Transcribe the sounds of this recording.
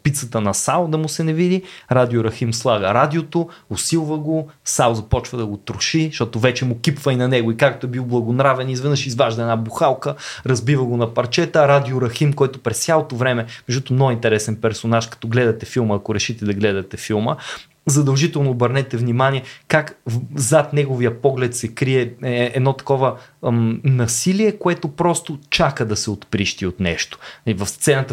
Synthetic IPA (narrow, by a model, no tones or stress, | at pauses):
pit̪sət̪ənɐsawˠd̪ɐmʊsɛnɛvid̪iɾad̪ioɾɐximslˠaɡəɾad̪iot̪oʊsilˠvəɡo | sawˠzɐpɔt͡ʃvəd̪ɐɡot̪ɾʊʃiʃt̪ɔt̪ovɛt͡ʃɛmʊkipvəinɐnɛɡoikak̚t̪oɛbilˠblˠɐɡonɾavɛnizvɛnəʃizvaʒd̪ɐɛnabuxalˠkəɾɐzbivəɡonɐpɐɾt͡ʃɛt̪əɾad̪ioɾɐximkɔjt̪ʊpɾɛst̪sʲalˠot̪ovɾɛmɛmɛʒd̪ɔt̪omnoint̪ɛɾɛsɛnpɛɾsonaʃkɐ̥t̪ɔɡlɛd̪ɐt̪ɛfilˠməːkoɾɛʃit̪ɛd̪ɐɡlɛd̪ɐt̪ɛfilˠmə | zɐd̪ɐlˠʒit̪ɛlˠnoːbəɾnɛt̪ɛvnimanʲiɛkakzat̪nɛɡoviəpɔɡlɛt̪sɛkɾiɛɛd̪nɔt̪ɐ̥kɔvə | nɐsiliɛkoɛt̪opɾɔst̪ot͡ʃakəd̪ɐsɛot̪pɾiʃt̪iot̪nɛ̰ʃt̪o̥ɐivɐfst̪sɛnət̪ə